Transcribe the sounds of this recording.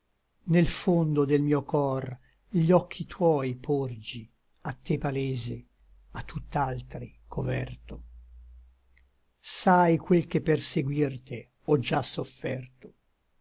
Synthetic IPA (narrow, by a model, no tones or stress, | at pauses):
nelfond̪od̪elmiːokɔr | ʎɔkʰːit̪ʰwɔjpʰord͡ʒi | at̪ːepaleːze | at̪ːut̪ːalt̪ɾikʰovɛrt̪o | sajkwelkepːerseɡwirt̪e | ɔd͡ʒasofːɛrt̪o